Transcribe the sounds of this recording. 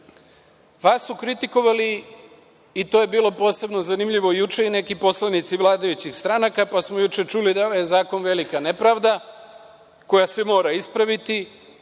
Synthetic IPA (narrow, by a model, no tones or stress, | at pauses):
ʋasːukɾit̪iko̞ʋaliː | t̪oje̞biːlˠo̞po̞ːse̞bno̞zanimʎiʋo̞jut͡ʃe̞ine̞kipo̞slˠanit̪siʋlˠaːd̪ajut͡ɕixst̪ɾanakapasmo̞jut͡ʃe̞t͡ʃulid̪aoʋajezaːko̞nʋe̞likanepɾaʋd̪a | ko̞jasemo̞ːɾaispɾaʋit̪i